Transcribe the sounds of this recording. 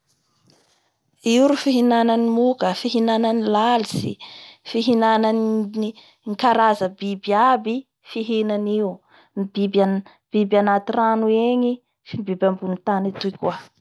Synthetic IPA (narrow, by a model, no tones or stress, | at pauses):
iɾufiɦinananimukəfiɦinananilalisḭfiɦinananni | ŋkaɾazəbibabi | fiɦenaniu | mibiba | b̥ibjanat̪iranueɲi | fibibambunit̪anit̪ukʲua